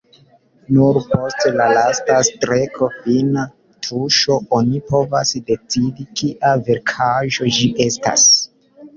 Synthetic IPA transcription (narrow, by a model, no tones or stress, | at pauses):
nuɾpo̞stlalastastɾekʰo̞fina | tɾuʃo̞onipʰo̞vasde̞t͡sidikiʔave̞ɾkʰaʒo̞d͡ʒiʔesta̰s